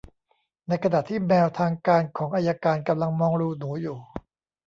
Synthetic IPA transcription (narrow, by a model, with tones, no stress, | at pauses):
na˧jkʰa˧naː˨˩t̪ʰiː˥˩mɛː˧wt̪ʰaː˧ŋkaː˧nkʰɔː˩˦ŋʔaː˧jaː˧kaː˧nka˧mla˧ŋmɔː˧ŋɾuː˧nuː˩˦juː˨˩